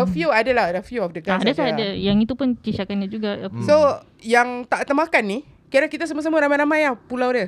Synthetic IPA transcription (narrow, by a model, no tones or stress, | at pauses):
əfjuadaladəfjuɔfdəɡaadasaadajaŋit̪upʊnt͡ʃiʃakanɲad͡ʒuɡaaso | jaŋt̪aʔt̪əmakanːi | kiadaŋkit̪as̬əməs̬əməɾamajnamajahpulawdə